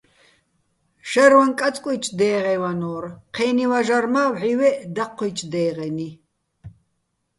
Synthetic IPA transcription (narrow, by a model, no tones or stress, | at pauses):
ʒ̥ɐɾwankʼat͡sʼkʼijt͡ʃʰʼd̪ɛːʁɛwanɔːrqʰɛːniwaʒarmawʕiwɛd̪aqʰːɛjt͡ʃʰʼd̪ɛːʁɛni